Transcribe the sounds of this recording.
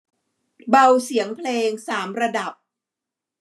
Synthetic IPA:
ba˧wsi˩˦əŋpʰleː˧ŋsaː˩˦mɾa˧da˨˩p̚

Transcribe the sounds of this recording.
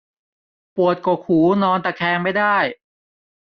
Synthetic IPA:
pu˨˩ət̪̚koː˨˩kʰuː˩˦nɔː˧nt̪ɛː˨˩kʰɛː˧ŋma˥˩jdaː˥˩j

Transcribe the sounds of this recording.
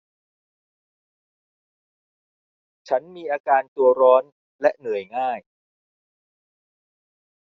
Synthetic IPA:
t͡ɕʰa˦˥nmiː˧ʔaː˧kaː˧nt̪u˧ɐɾɔː˦˥n | lɛ˦˥ʔnɯ˨˩əjŋaː˥˩j

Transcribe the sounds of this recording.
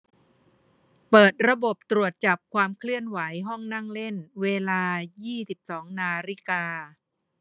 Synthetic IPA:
pɤː˨˩t̪̚ɾa˧bo˨˩p̚t̪ɾu˨˩ət̪̚t͡ɕa˨˩p̚kʰwaː˧mkʰlɯ˥˩ənwa˩˦jɦɔ˥˩ŋna˥˩ŋle˥˩nweː˧laː˧jiː˥˩si˨˩p̚sɔː˩˦ŋnaː˧ɾi˦˥˩kaː˧

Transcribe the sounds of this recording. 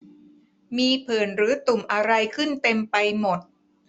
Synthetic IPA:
miː˧pʰɯː˨˩nɾɯː˩˦t̪u˨˩mʔa˧ɾa˧jkʰɯ˥˩nt̪e˧mpa˧jmo˨˩t̪̚

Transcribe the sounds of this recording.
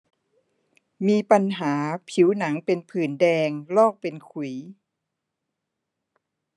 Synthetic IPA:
miː˧pa˧nɦaː˩˦pʰi˩˦wna˩˦ŋpe˧npʰɯː˨˩ndɛː˧ŋlɔː˥˩k̚pe˧nkʰu˨˩˦

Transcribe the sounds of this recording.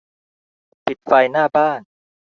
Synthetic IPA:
pi˨˩t̪̚fa˧jnaː˥˩baː˥˩n

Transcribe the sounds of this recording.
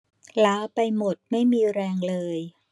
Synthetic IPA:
laː˦˥pa˧jmo˨˩t̪̚ma˥˩jmiː˧ɾɛː˧ŋlɤː˧j

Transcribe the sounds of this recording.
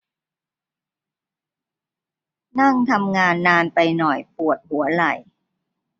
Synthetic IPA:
na˥˩ŋt̪ʰa˧mŋaː˧nːaː˧npa˧jnɔ˨˩jpu˨˩ət̪̚hu˩˦ɐla˨˩j

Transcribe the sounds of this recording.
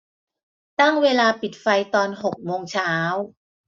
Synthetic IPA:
t̪a˥˩ŋweː˧laː˧pi˨˩t̪̚fa˧jt̪ɔː˧nho˨˩k̚moː˧ŋt͡ɕʰaː˦˥w

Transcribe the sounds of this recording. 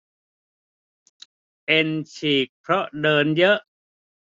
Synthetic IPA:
ʔe˧nt͡ɕʰiː˨˩k̚pʰɾɔ˦˥ʔdɤː˧njɤ˦˥ʔ

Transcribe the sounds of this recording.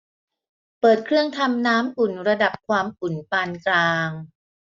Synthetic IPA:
pɤː˨˩t̪̚kʰɾɯ˥˩əŋt̪ʰa˧mnaː˦˥mʔu˨˩nɾa˧da˨˩p̚kʰwaː˧mʔu˨˩npaː˧nklaː˧ŋ

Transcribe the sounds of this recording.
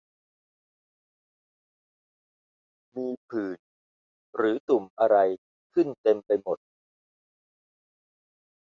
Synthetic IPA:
miː˧pʰɯː˨˩n | ɾɯː˩˦t̪u˨˩mʔa˧ɾa˧j | kʰɯ˥˩nt̪e˧mpa˧jmo˨˩t̪̚

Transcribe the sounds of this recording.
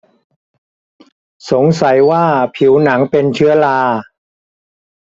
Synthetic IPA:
so˩˦ŋsa˨˩˦jwaː˥˩pʰi˩˦wna˩˦ŋpe˧nt͡ɕʰɯ˦˥ɐlaː˧

